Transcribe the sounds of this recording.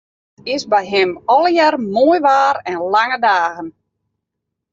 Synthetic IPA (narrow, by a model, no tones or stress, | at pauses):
ɪsbɛjɦɪmɔlˠjarmoːjʋaːɾɛnlaŋədaːɣən